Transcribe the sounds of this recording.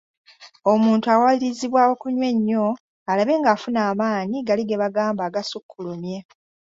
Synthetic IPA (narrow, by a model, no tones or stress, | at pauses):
o̞muːntuawaliɾiziβwaːwo̞kuɲwe̞ɲːo̞ | alaβe̞ːŋɡaːfunaːmaːɲiɡaliɡe̞βaɡaːmbaːɡasukʰːulumje̞